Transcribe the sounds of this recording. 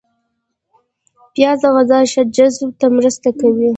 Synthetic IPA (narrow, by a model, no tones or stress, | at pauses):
pjɑd̪aɣazɑʃad͡ʒazbt̪amɾəst̪akawi